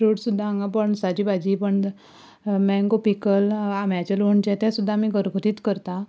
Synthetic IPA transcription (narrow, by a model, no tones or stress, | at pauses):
ɾuʈsud̪ʱːaaŋɡapəɳsad͡ʑiːbad͡ʑipəɳ | mɛ̃ŋɡopikəlamjat͡ɕəloɳt͡ɕet̪jasud̪ʱːamiːɡʱəɾɡʱəɾiːt̪kəɾt̪a